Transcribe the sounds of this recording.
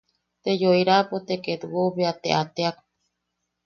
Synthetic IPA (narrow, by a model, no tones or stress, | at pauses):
t̪ed͡ʒojɾapot̪eket̪uwoβeat̪ḛʔat̪eak